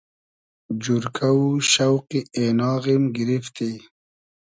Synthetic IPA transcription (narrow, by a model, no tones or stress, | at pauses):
d͡ʑuɾkauɕawqienɑːɣimɡiɾift̪i